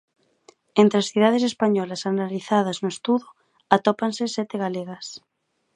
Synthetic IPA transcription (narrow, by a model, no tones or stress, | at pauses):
ent̪ɾeasθjuð̞að̞es̬espaɲɔlasanaliθað̞aznoest̪uðo | at̪opansesɛt̪eɣaleɣas